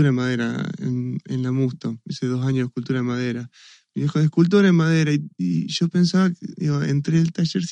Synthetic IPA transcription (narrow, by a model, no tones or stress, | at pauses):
uɾaemaðeɾa̰ḛnḛnlamust̪oeseðosaɲoðehkult̪uɾaðemað̞eɾa | miðixoðehkult̪̬uɾaemaðeɾaiiʒo̞pensaβakeðiɣoḛnt̪ɾeːlt̪aʃeɾs